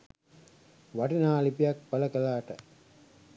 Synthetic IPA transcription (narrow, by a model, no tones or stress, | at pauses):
ʋɐʈinaːlipijak̚pɐlɐkɐlaːʈə